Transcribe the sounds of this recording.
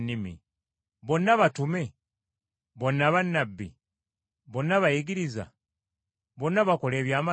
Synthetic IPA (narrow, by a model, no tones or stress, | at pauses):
nːimḭ | βo̞nːaβatume̞ | βo̞nːaβanːabːi | βonːaβajiɡiɾiza̰ | βo̞nːaβako̞le̞ːβjaːma